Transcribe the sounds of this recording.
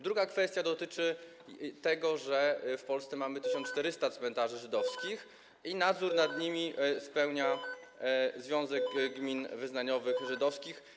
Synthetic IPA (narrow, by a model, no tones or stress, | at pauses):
d̪ɾuɡakfɛst̪ʲjad̪ɔt̪ɘt͡ʂɘ | t̪ɛɡɔʐɛfpɔlst̪sɛmamɘt̪ɘɕɔnt͡ʂt̪ɛɾɘst̪at̪smɛnt̪aʐɘʐɘd̪ɔfskʲix | inad̪zuɾnad̪ɲimʲispɛwɲa | zvʲjɔ̃w̃zɛɡɡmʲinvɘznaɲɔvɘxʐɘd̪ɔfskʲix